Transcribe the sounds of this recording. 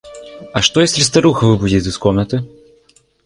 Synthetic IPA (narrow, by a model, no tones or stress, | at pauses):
ɐʂt̪ɔjɛsʲɾʲist̪ɐɾuxɐvɨbud͡zʲit͡s̪ʲɨskɔmnɐt̪ɨ